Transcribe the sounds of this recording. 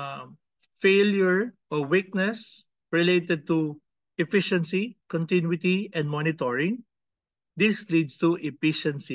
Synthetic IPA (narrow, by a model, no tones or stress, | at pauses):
fejljʊɹʔɔwik̚nɛs | ɹɪlejt̪ɛd̪̚t̪u | ʔɛfɪʃɛ̃nsikɔ̃nt̪ɪ̃nwɪt̪iʔɛ̃nd̪mɔnɪt̪ɔɹɪ̃ŋ | d̪ɪslid̪st̪uʔɛfiʃɛ̃nsi